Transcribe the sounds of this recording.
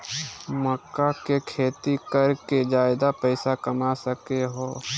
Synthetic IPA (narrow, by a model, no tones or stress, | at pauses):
məkːakekʰeːt̪ikəɾked͡ʒaːɪd̪apɛɪsakəmasəkeɦoː